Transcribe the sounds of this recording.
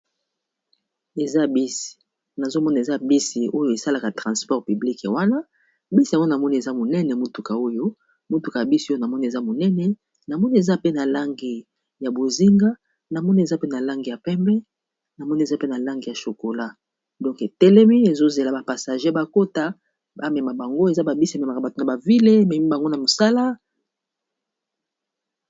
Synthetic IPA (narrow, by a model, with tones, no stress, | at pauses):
e˨za˦bi˦si̥˨ | na˨zo˦mɔ˦na˨e˨za˦bi˦si˨o˦jo˦e˨sa˦la˨ka˨tʁɑ̃˨spɔ˦ʁpy˨bli˦kwa˦na˦ | bi˦si˨a˨ŋɡo˦na˨mɔ˦ni˦e˨za˦mo˨nɛ˦nɛ˨mo˦tu˨ka˨o˦jo˦ | mo˦tu˨ka˨ja˨bi˦si˨o˦jo˨na˨mɔ˦ni˦e˨za˦mo˨nɛ˦nɛ˨ | na˨mɔ˦ni˦e˨za˦pe˦na˨la˦ŋɡi˨ | ja˨bo˨zi˦ŋɡa˦ | na˨mɔ˦ni˦e˨za˦pe˦na˨la˦ŋɡi˨ja˨pɛ˦mbɛ˦ | na˨mɔ˦ni˦e˨za˦pe˦na˨la˦ŋɡi˨ja˨ʃo˨ko˨la˦ | dɔ̃˦ŋke˨tɛ˦lɛ˦mi˦e˨zo˦ze˨la˨ba˨pa˨sa˨ʒe˦ba˦ko˦ta˦ | ba˦mɛ˨ma˨ba˨ŋɡo˦e˨za˦ba˨bi˦si˨˦a˨mɛ˨ma˨ka˨ba˨to˨na˨ba˨vi˦le˦mɛ˨mi˦ba˨ŋɡo˦na˨mo˨sa˦la˦